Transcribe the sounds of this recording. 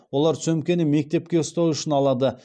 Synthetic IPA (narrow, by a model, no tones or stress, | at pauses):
wo̞lˠɑɾt̪sɵmkʲe̞nɪmːe̞k̚t̪e̞p̚kʲe̞ʊst̪ɑwʏʃɪnɑlˠɑd̪ə